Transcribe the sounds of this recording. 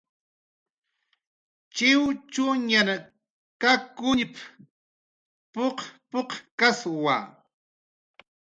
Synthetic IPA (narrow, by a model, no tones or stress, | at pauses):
t͡ʃɪwt͡ʃuɲana | kakʊɲɪp | poqpoqkaswa̰